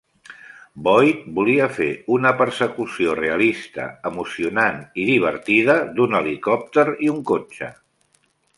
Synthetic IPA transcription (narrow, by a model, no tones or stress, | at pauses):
bɔjbuliəfḛunəpəɾsəkusioreəlist̪ə̰əmusiunaniðiβ̞əɾt̪iðəd̪unəlikɔp̚t̪əɾiuŋkot͡ʃə̰